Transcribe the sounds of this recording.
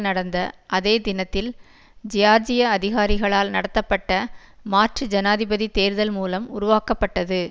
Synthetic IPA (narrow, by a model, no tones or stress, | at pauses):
nɐɽɐnd̪ɐʔɐðeːd̪ɪnɐt̪ːɪl | d͡ʒɪjaːɾd͡ʒɪjɐɐðɪɣaːɾɪɣɐɭaːlnɐɽɐt̪ːɐpːɐʈːɐ | maːʈrɯd͡ʒɐnaːðɪbɐðit̪eːɾɯðɐlmuːlɐmʊɾʊʋaːkɐpːɐʈːɐðɯ